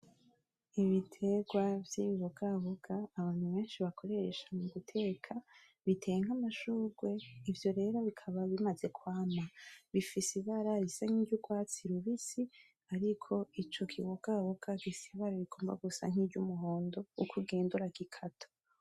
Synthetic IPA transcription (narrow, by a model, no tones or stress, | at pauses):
iβitʰe̞ɡwavjiːβiβoɡaβoɡaːβaːnhuβe̞ːnʃiβakʰo̞ɾe̞ɾeʃḁmumutʰe̞ːkʰa | βitʰe̞jeŋ̥amaʃuːɡwe̞ivjo̞ɾe̞ːɾo̞βikʰaβaβimaze̞kwaːmaβifisiβaɾaβisaŋ̥hiːɟuɡwaːt͡siɾuβisi | aɾikʰo̞it͡ʃo̞kʰiβoɡaβoɡaɡisiβaɾaβiɡ̥o̞ːmba̰ɡusa̰ŋ̥iːɟumuɦoːndo̞ukʰuɡeːnduɾaɡikʰatʰo̥